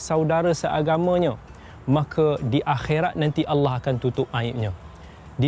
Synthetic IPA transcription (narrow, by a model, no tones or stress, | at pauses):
sawdaɾəsəʔaɡamə̃ɲə̃ | mãkʰədiʔaxeɾat̪̚nãnt̪iʔalːɑɦakant̪ut̪ʊp̚naɪʔ̚ɲã | di